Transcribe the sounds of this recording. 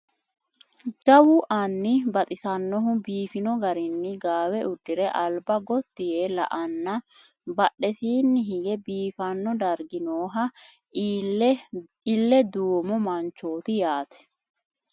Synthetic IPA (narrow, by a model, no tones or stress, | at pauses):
d͡ʒɐwʊʔɐnːɪbɐt̪ʼɪsɐnːɔɦʊbiːfɪnɔɡɐɾɪnːɪɡaːwɛʔʊd̪ːɪɾɛʔɐlbɐɡɔt̪ːɪjelɐ̰ʔɐnːɐ | bɐɗɛsiːnːɪɦɪɡɛbiːfɐnːɔd̪ɐɾɡɪnoːɦɐ | ɪlːɛd̪uːmɔmɐnt͡ʃːoːt̪ɪjaːt̪ɛ̥